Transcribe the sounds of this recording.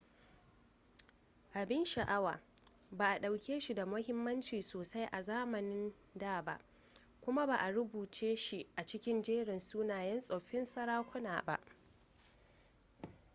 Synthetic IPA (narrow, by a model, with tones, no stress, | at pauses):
ʔa˨bɪ˦nʃa˨ʔa˦wa̰ː˨ | baː˨ʔa˨ɗa˨wkʲeː˦ʃi˨da˨mʊ˦hɪ˦mːɐ˦nt͡ʃiː˨soː˨sa˦jʔa˨zaː˦mɐ˨nɪ˦n | daː˦˨ba̰˦ʔ | kʷʊ˦ma˦baː˨ʔa˨ɾʊ˦buː˨t͡ʃeː˦ʃi˨ʔa˨t͡ʃɪ˦kʲɪ˦nd͡ʒeː˦ɽɪ˨nsuː˦naː˨jɛ˦nsʼoː˨ɸɪ˦nsɐ˦ɾaː˦kʷʊ˦na̰ː˨ba̰˦ʔ